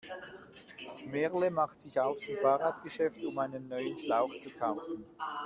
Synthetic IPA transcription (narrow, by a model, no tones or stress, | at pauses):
mɛʁləmaχtz̥ɪçaʊfsɪmfaːʁaːtɡ̥əʃɛftʊmaɪnənːɔʏənʃlaʊxt͡sukʰaʊfn̩